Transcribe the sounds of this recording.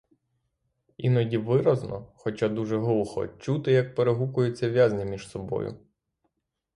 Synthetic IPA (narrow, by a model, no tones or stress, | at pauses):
inɔdʲiʋɪɾɐznɔxɔt͡ʃad̪uʒɛɦɔlˠxɔ̰t͡ʃut̪ɪjɐk̚peɾeɦukʊjʊt͡sʲːɐʋʲjazʲnʲimʲiʒ̥sɔbɔ̰jʊ̰